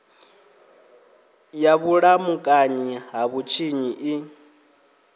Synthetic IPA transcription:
jaβuɺamukʼaɲiɦaβut͡ʃʰiɲiʔi

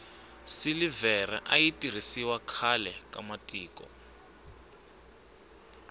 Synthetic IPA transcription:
silivɛr̤ɛ̰ʔajitʼir̤isiwakʰalɛkʼamatʼiːkɔ̰

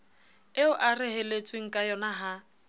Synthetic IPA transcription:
ɪʊʔarɪɦɛlet͡sʼweŋ̩kʼajɔnaɦa

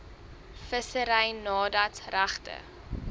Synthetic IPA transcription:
fəsəɾɛjnɑːdɐtræχtə̰

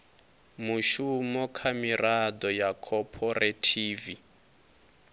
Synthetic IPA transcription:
muʃumɔkʰamiradɔjakʰɔpʰɔretʰiːvi

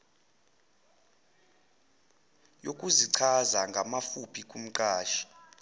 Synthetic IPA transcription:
jokʼuziǀʰazaŋɡʱamafupʰikʼum̩ǃʼaːʃi̥

